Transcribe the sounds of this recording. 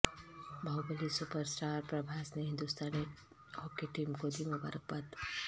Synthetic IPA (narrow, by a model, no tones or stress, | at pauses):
bʱawbəlisupəɾsʈaːɾpɾɐbʱaːsneɦɪ̃nd̪ust̪aːne | ɔːkeʈiːmkod̪imɐba̰ɾək̚pət̪